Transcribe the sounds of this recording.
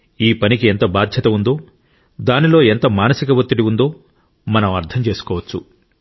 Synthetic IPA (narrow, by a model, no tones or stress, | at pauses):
iːpɐnikient̪ɐbaːd̪ʱjɐt̪ɐund̪o̞ː | d̪aːnilo̞ːent̪ɐmaːnɐsikɐʋɐt̪ːiɽiund̪o̞ː | mɐnɐmɐɾt̪ʰɐmt͡ʃe̞ːsu̥kɔːʋɐt͡ʃːu